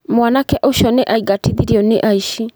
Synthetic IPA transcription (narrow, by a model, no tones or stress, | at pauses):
mwanakɛʔoʃɔneʔaiɡatiðiɾiɔneʔaiʃi